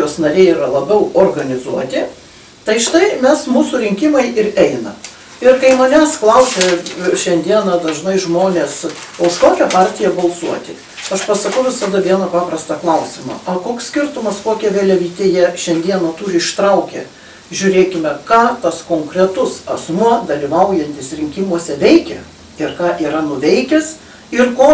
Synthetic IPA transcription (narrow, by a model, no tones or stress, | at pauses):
joːsnɐɾʲeɪiːɾɐlˠɐbʲɛʊoːrɡɐnʲɪzuɔt̪ʲɪ | t̪ɐɪʃɪt̪ɐɪmʲɛsmuːsʊɾʲɪŋʲkʲɪmɐɪʔɪɾɛɪnɐ̰ | ɪrkɐɪmɐnʲɛsklˠɐʊsʲɛʃʲɛnʲd̪ʲiɛnɐd̪ɐʒnɐɪʒmoːnʲeːsɐʊʃkoːkʲɛpɑːrʲt̪ʲɪjɛbɐlˠsuɔt̪ʲɪ | ɐʃpɐsɐkɐʊʋʲɪsɐd̪ɐʋʲiɛnɐpɑːprɐst̪ɐklˠɐʊsʲɪmɐ̰ɐkoːkssʲkʲɪrt̪ʊmɐskoːkʲɛʋʲeːlʲɛʋʲiːt̪ʲeːjɛʃʲɛnʲd̪ʲiɛnot̪uːɾʲɪɪʃt̪ɾɐʊkʲɛ̰ | ʒʲʊɾʲeːkʲɪmʲɛkɑːt̪ɐskoːŋkɾʲɛt̪ʊsɐsmuɔd̪ɐlʲiʋɐʊjɛnʲt̪ʲɪsɾʲɪŋʲkʲimuɔsʲɛʋʲɛɪkʲɛ | ɪrkɑːʔiːɾɐnʊʋʲɛɪkʲɛs | ɪrkoː